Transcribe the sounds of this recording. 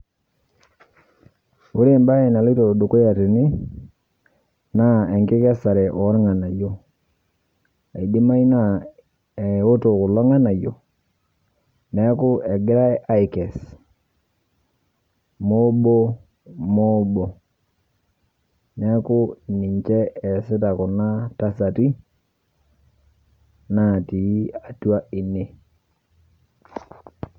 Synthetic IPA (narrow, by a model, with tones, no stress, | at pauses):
u˦ɾe˦˨mba˦e˨na˨li˦to˨du˨ko˦ja˨te˨nɪ˦ | na˦ɛ˨ŋkɪ˦ka˦sa˨ɾɛ˨ʔɔ˨˦ɾŋa˨na˨jo˦ | a˨i˨di˦ma˦i˦na˦ | ɛ˨o˦to˨kʊ˨lɔ˦ŋa˦na˨jo˨ | nɛ˦ku˦ɛ˨ɡɪ˦ɾa˦ʔa˦i˨kɛ˨s | mo˦bo˦ | mo˦bo˨ | nɛ˦kʊ˦ni˨ɲt͡ʃɛ˦ɛ˨sɪ˦ta˨kʊ˨na˦ta˦sa˨ti˦ | na˨ti˨˦a˨twa˦i˨ne˦